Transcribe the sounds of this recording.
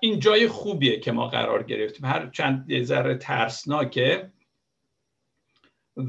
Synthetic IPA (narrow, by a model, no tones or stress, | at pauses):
ʔiːnd͡ʒɒːjexuːbiːecʰe̞mɒ̰ːɢæ̰ɾɒ̰ːɾɟe̞̰ɾe̞ft̪ʰiːmhæɾt͡ʃʰænd̪̚ːezæɾet̪ʰæ̰ɾsnɒːcʰe